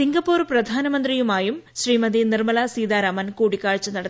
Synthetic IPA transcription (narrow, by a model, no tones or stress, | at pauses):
siŋɡɐpːoːrprɐd̪ʱaːnɐmɐnd̪rijumaːjumɕriːmɐd̪inirmɐlɐsiːd̪aːɾaːmɐnkuːɽikːaːɻt͡ɕːɐnɐɽɐt̪ː